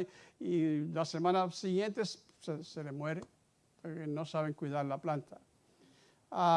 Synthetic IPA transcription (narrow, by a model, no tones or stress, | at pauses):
ilasemãnasiɣje̞nt̪e̞s | seselemwe̞ɾe | poɾkeno̞saβ̞e̞ŋkwiðaɾlaplant̪a | a